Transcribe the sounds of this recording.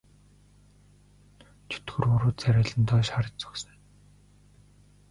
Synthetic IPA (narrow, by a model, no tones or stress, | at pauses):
t͡ɕʰɵ̥t̪ɡɵ̆rɵɾuːt̪t͡sʰæɾʲaːɮə̆nt̪ʰɔːʃχaɾə̆t͡ɕt͡sɔ̥ksə̆ŋ